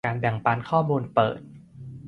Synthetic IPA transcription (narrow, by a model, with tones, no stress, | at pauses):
aː˧nbɛ˨˩ŋpa˧nkʰɔː˥˩muː˧npɤ̰ː˨˩t̪̚